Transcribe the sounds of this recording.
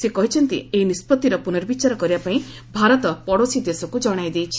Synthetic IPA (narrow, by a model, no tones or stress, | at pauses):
sekɔɦit͡ʃʰɔnt̪ḭeinispɔt̪ːiɾɔpunɔɾbit͡ʃaɾɔkɔɾibapaĩ | bʱaɾɔt̪ɔpɔɽosid̪esɔkud͡ʒɔɽ̃ajd̪ejt͡ʃʰi̥